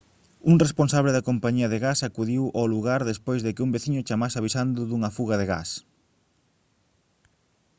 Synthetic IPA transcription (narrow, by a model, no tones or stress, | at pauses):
uŋresponsaβleðɐkompaɲiɐðeɣasakuðiwʔoluɣaɾðespojzðɪkɪumbeθiɲʊt͡ʃamasaβisand̪ʊðuŋɐfuɣɐðeɣa̰s